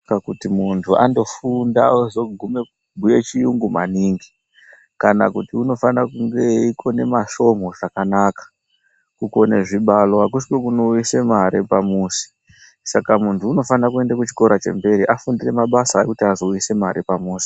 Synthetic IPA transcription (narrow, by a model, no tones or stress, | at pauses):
akutimuntʰua̰ndo̞fundauzo̞ɡʱume̞ | ɡʱuje̞t͡ʃijuŋɡuma̰niːŋɡi | kana̰kutiuno̞fanakuŋɡe̞ikʰo̞ne̞maʃo̞mo̞ʐakanakḁ | kukone̞ʐiɓalo̞ɦak̬uskekuno̞ujise̞maɾepamuːsi̥ | sakamuntʰuːno̞fanakue̞ndakut͡ʃi̥ko̞ɾat͡ʃe̞̰mbe̞ɾiʔafundire̞maɓasaekutiazo̞ujise̞maɾipamuːsi̥